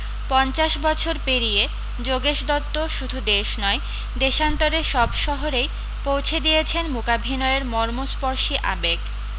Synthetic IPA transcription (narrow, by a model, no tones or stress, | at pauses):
pɔnt͡ɕaʃbɔt͡ɕʰoɾpeɾije | d͡ʑoɡeʃd̪ɔt̪ːoʃud̪ʱud̪eʃnɔe | d̪eʃant̪oɾeʃɔbʃɔɦoɾej | powt͡ɕʰed̪ijet͡ɕʰenmukabʱinɔeɾmɔɾmospoɾʃiʔa̰bek